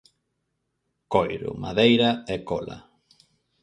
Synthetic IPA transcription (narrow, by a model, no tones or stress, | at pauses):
kojɾʊ̰ma̰ðejɾaekola̰